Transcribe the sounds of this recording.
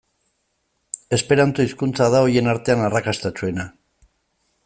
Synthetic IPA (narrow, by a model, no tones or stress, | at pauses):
e̞spe̞ɾant͡s̪o̞iskunt͡sað̞ao̞je̞naɾt̪e̞anarakast̪at͡ʃue̞na